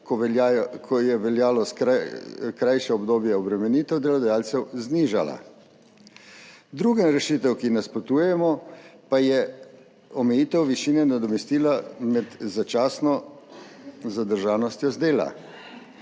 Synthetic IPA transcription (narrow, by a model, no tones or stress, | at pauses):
akʰɔjɛʋɛljaːlɔsakɾajʃɛɔbd̪oːbjɛɔbɾɛmɛniːt̪ɛwd̪ɛlɔd̪ajaːlt̪sɛwzniʒa̰la̰ | d̪ɾuɡɛnɾɛʃit̪ɛwkinɛspɔt̪uːjɛmɔpajɛ | ɔmɛjiːt̪ɛwʋiʃiːnɛnad̪ɔmɛst̪iːlamɛd̪zat͡ʃaːsnɔ | zad̪əɾʒaːnɔst̪jɔzd̪eːla̰